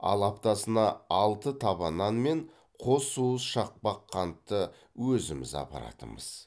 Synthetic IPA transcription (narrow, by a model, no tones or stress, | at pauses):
ɑ̰lˠɑpt̪ɑsənɑɑlˠt̪ət̪ʰɑβɑnɑnme̞ɴ | qʰo̞suəsʃɑq̚pɑqʰːɑnt̪ːə | wɵzɪmɪ̰zɑ̰pɑ̰ɾɑ̰t̪ə̰mə̰z̥